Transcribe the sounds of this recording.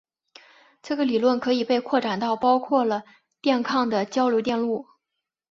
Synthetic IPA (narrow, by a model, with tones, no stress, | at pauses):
ʈ͡ʂɤ˥˩ɡə˩li˨˩lwə˥˩nkʰɤ˧˥i˨˩pe˥˧ɪkʰwɔ˥˩ʈ͡ʂa˨˩nt̪ɑ˥˩ʊpɑ˥ʊkʰwɔ˥˩lə˩ | t̪jɛ˥˧nkʰɑ˥˩ŋd̪ə˩t͡ɕjɑ˥ʊljo˧˥t̪jɛ˥˧nlu˥˩